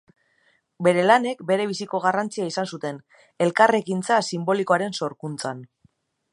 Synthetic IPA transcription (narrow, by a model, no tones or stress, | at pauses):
be̞ɾe̞lane̞kbe̞ɾe̞β̞isiko̞ɣ̞arant͡siaisansut̪e̞n | e̞lkare̞kint͡sasimbo̞liko̞aɾe̞nso̞ɾkunt͡san